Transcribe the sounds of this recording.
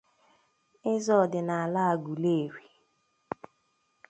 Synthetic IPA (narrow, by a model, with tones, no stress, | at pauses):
ɪ˦zɔ˦˨dɪ˨na˨a˨la˦a˨ɡu˨le˦˨ɾi˨